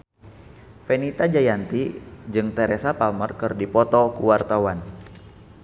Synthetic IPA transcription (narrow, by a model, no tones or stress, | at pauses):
fɛnit̪ad͡ʒajant̪id͡ʒɨŋt̪ɛɾɛsapamərkɨrdipɔt̪ɔkuwart̪awan